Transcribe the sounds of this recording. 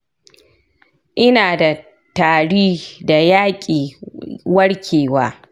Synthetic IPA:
ʔɪ˦naː˨da˨ | taː˨ɽiː˦da˨jaː˦kʲʼiː˨wɐ˦ɽkʲʰeː˨wa̰ː˦

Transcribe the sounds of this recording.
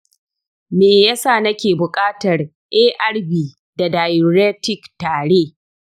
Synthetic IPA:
meː˨jɐ˦saː˦˨nɐ˦kʲeː˨bʊ˨kʼaː˦tɐ˨r | ʔeː˦ʔɐ˦rbiː˨ | da˨daː˨jo˨ɾeː˦tɪ˦ktaː˨ɽeː˦

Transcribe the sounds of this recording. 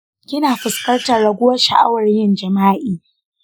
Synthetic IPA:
kʲɪ˦naː˨ɸɪ˨skɐ˦rta˨ɽɐ˨ɡʷʊ˦wɐ˦ʃa̰˨ʔa̰˦wɐ˨rjɪ˦nd͡ʒɐ˨maː˦ʔiː˨

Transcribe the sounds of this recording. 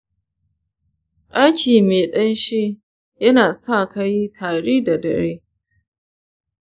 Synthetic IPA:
ʔa˦jkʲiː˨meː˨ɗɐ˦nʃi˦ | jɐ˦naː˨sa˦˨kɐ˦ji˦tʰaː˨ɽeː˦da˨dɐ̰˨ɽeː˦

